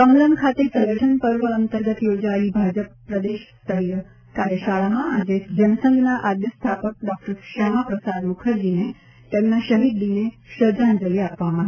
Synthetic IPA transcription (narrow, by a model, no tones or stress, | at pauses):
kə̃ŋɡlənkʰat̪esə̃ɡəʈʰənpəɾʋəənt̪əɾɡət̪jod͡ʒaibʱad͡ʒəpːɾəd̪eʃt̪əɾi | kaɾjəʃaɭamãːd͡ʒed͡ʒənsə̃ŋɡnaʔad̪jəst̪ʰapək̚ɖɔk̚ʈəɾʃəmapɾəsad̪mukʰəɾd͡ʒine | t̪emnaʃəɦid̪line | ʃəd͡ʒand͡ʒəliapʋamã